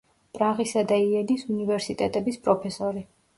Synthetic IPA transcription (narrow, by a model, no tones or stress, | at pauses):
pʼɾaʁisad̪aiɛnisunivɛɾsit̪ʼɛt̪ʼɛbispʼɾɔpʰɛsɔɾi